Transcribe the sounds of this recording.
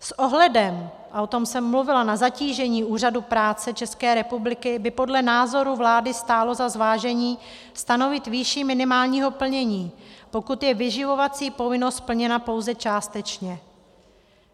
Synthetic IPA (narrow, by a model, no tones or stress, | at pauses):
sʔo̞ɦlɛdɛm | ʔaʔo̞t̪o̞msɛmːluvɪlanazaciːʒɛɲiːʔuːr̝adupɾaːt͡sɛt͡ʃɛskɛːɾɛpublɪkɪbɪpo̞dlɛnaːzo̞ɾuvlaːdɪst̪aːlo̞zazvaːʒɛɲiː | st̪ano̞vɪt̪viʃiːmɪnɪmaːlɲiːɦo̞pl̩ɲɛɲiːpo̞kut̪jɛvɪʒɪvo̞vat͡siːpo̞vɪno̞st̪̚pl̩ɲɛnapo̞wzɛt͡ʃaːst̪ɛt͡ʃɲɛ